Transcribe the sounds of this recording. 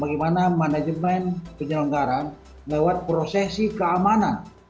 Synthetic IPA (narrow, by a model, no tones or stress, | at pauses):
baɡɛmanamanad͡ʒəmɛnpəɲələŋɡaɾan | lɛwat̪̚pɾɔsɛsikəamanan